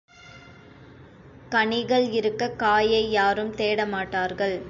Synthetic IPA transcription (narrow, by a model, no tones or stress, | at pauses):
kɐɳɪɣɐɭɪɾɯkːɐkaːjɐɪːaːɾɯmt̪eːɽɐmaːʈːaːɾɣɐɭ